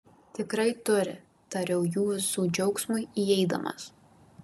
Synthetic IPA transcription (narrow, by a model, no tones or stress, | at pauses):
t̪ʲɪkɾɐɪt̪ʊɾʲɪ̰ | t̪ɐɾʲɛʊjuːɪsuːd͡ʒʲɛʊksmʊɪiɛɪd̪ɐ̰mɐ̰s